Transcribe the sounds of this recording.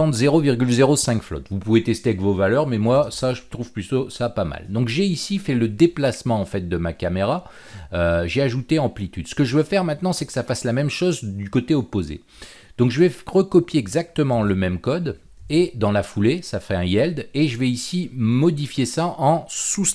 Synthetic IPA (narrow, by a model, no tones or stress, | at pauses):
ɑ̃t̪zeʁoviʁɡʲylzeʁosɛ̃kflɔ̰t̪vupuvet̪ɛst̪eavɛkvovalœʁmɛmwasaʒət̪χuv̥plytosapama̰ld̪ɔ̃kʒeisifɛləd̪eplasmɑ̃ːfɛt̪̚d̪əmakameʁa | øʒeaʒut̪eɑ̃plit̪yd̪̥sə̥kəʒəvøfɛʁmɛ̃t̪nɑ̃sɛkə̥safaslamɛmʃozd̪ykot̪eɔpozḛ | d̪̥ɔ̃kʒəvɛʁəkɔpjeɛɡzak̚t̪əmɑ̃ləmɛmkɔd̪ | ed̪ɑ̃lafulesafʁɛɛ̃jɛld̪eʒəvɛisimɔd̪ifjesaʔɑ̃su